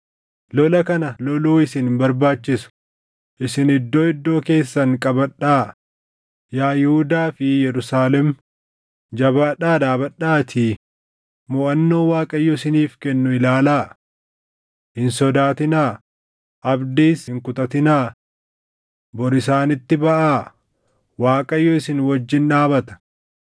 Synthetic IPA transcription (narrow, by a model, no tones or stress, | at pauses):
lɔlɐkɐnɐlɔluːɪsɪnhmbɐɾbaːt͡ʃːɪsʊ̥ | ʔɪsɪnɪd̪ːo̞ːɪd̪ːo̞ːke̞ːsːɐŋkʼɐbɐᶑːaː | jaːjɛhʊd̪aːfɪjɛɾʊsaːlɛm | d͡ʒɐbaːᶑaːd̪aːbɐᶑaːt̪ʰɪ | mʊʔɐnːo̞ːwaːkʼɐjːɔɪsɪniːfkɛnːʊɪlaːlaː | hɪnsɔd̪aːt̪ɪnaː | ʔɐbd̪iːshɪŋkʊt̪ɐt̪ɪnaː | bɔɾɪsaːnɪt̪ːɪbɐʔaː | waːkʼɐjːɔɪsɪnwɐd͡ʒːɪnᶑaːbɐt̪ɐ̥